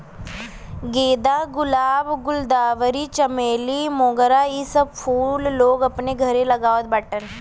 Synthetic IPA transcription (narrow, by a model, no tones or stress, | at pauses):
ɡeːd̪aɡʊlaːbɡʊld̪aːʋəɾit͡ʃəmeːlimoːɡəɾaisəb̚pʰuːlːoːɡɐpneɡʱəɾeləɡaːʋod̪̚bəʈən